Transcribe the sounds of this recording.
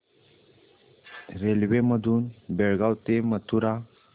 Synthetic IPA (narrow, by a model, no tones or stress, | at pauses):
ɾelwemɐd̪unbeɾɡawt̪emɐt̪ʰuɾa